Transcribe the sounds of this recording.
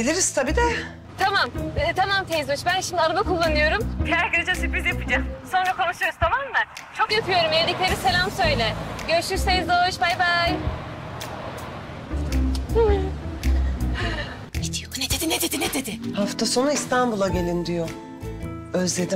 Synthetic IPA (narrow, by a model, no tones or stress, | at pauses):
bilʲiɾist̪ʰabid̪ɛ | t̪ʰamamt̪ʰamamt̪ʰejzoʃbænʃimd̪iaɾabakulˠːanɯjo̞ɾumkʰæɾɡeɾed͡ʒasypizjapɯd͡ʒaso̞nɾakʰo̞nuʃɯjoɾuzt̪ʰamamːa | t͡ʃʰo̞kjapɯjo̞ɾumjed̪iclʲe̞ɾise̞lʲamsø̞jlʲɛɟøɾʃyɾsejzoʃbajbaj | ned̪ijoned̪ed̪ined̪ed̪ined̪ed̪ɪhaft̪ʰaso̞nuist̪ʰanbulˠaɟe̞lʲind̪ijo | øzlʲe̞d̪i